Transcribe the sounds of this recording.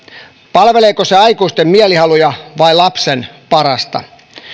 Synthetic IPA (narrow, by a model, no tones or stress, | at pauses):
pɑlʋeleːkoseɑikuist̪emmiælihɑlujɑʋɑilɑpsenpɑɾɑst̪ɑ̰